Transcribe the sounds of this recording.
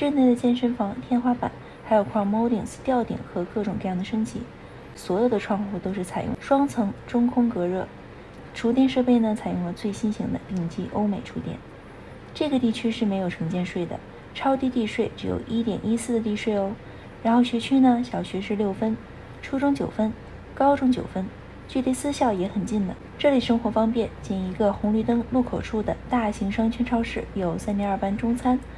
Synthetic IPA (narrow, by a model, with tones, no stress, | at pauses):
ʈ͡ʂə˥˧nt̪we˥˩ɪd̪ə˩t͡ɕjɛ˥˧nʂə˥˩nfɑ˧˥ŋt̪ʰjɛ˥˧nxwa˥pa̰˨˩˦n | xa˧˥ɪjo˨˩ʊkʰwɑ˥˩mo˥ʊɾi˨˩ŋst̪jɑ˥˩ʊt̪ḭ˨˩˦ŋxɤ˧˥kɤ˥˩ʈ͡ʂʊ˨˩ŋkɤ˥˧jɑ˥˩d̪ə˩ʂɤ˥ŋt͡ɕʰi˧˥ | swɔ˧˥jo˨˩ʊd̪ə˧ʈ͡ʂʰwɑ˥˧ŋxu˥˩t̪o˥ʊʂɻ̩˥˩t͡sʰa˨˩ɪjʊ̰˥˩ŋʂwɑ˥ŋt͡sʰɤ˧˥ŋʈ͡ʂʊ˥ŋkʰʊ˥ŋkɤ˧˥ɻɤ̰˥˩ | ʈ͡ʂʰu˧˥t̪jɛ˥˧nʂɤ˥˧pe˥˩ɪnə˩t͡sʰa˨˩ɪjʊ˥˩ŋlə˩t͡swe˥˩ɪɕi˥nɕi˧˥ŋd̪ə̰˧pi˥˩ŋt͡ɕi˥ʔo˥ʊme˨˩ɪʈ͡ʂʰu˧˥t̪jɛ̰˥˩n | ʈ͡ʂɤ˥˩ɡə˩t̪i˥˩t͡ɕʰy˥ʂɻ̩˥˩me˧˥ɪjo˨˩ʊʈ͡ʂʰɤ˧˥ŋt͡ɕjɛ˥˧nʂwe˥˩ɪd̪ə̰˩ | ʈ͡ʂʰɑ˥ʊt̪i˥˧t̪i˥˧ʂwe˥˩ɪʈ͡ʂɻ̩˧˥jo̰˨˩ʊʔi˥t̪jɛ̰˨˩nʔi˥sɹ̩˥˩d̪ə˩t̪i˥˧ʂwe˥˩ɪo˥ʊ | ɻa˧˥nxo˥˩ʊɕɥɛ˧˥t͡ɕʰy˥nə˨ɕjɑ˨˩ʊɕɥɛ˧˥ʂɻ̩˥˧ljo˥˩ʊfə˥n | ʈ͡ʂʰu˥ʈ͡ʂʊ˥ŋt͡ɕjo˨˩ʊfə˥n | kɑ˥ʊʈ͡ʂʊ˥ŋt͡ɕjo˨˩ʊfə˥n | t͡ɕy˥˧t̪i˥˧sɹ̩˥˧ɕjɑ˥˩ʊjɛ˧˥xə˨˩nt͡ɕi˥˩nd̪ə˩ | ʈ͡ʂɤ˥˩li˨˩ʂɤ˥ŋxwɔ˧˥fɑ˥ŋpjɛ˥˩nt͡ɕɛ˥˩ni˧˥ɡə˧xʊ˧˥ŋly˥˩t̪ɤ˥ŋlu˥˩kʰo˨˩ʊʈ͡ʂʰu˥˩d̪ə˩t̪a˥˩ɕi˧˥ŋʂɑ˥ŋt͡ɕʰɛ˥nʈ͡ʂʰɑ˥ʊʂɻ̩˥˩jo˨˩ʊsa˥nt̪jɛ˧˥a˞˥˩pa˥nʈ͡ʂʊ˥ŋt͡sʰa˥n